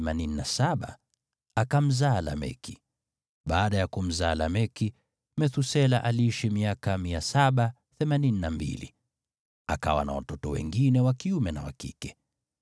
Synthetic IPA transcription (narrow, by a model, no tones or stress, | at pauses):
manininasaɓa̰ | akam̩zaːla̰mɛ̰ki̥ | ɓaːɗajakum̩zaːlamɛki | mɛθusɛlaʔaliiʃimiakamiasaɓa | θɛmanininambḭlḭ | aka̰wa̰na̰wa̰tɔtɔwɛ̰ŋɡinɛwakiumɛnawa̰kḭkɛ̥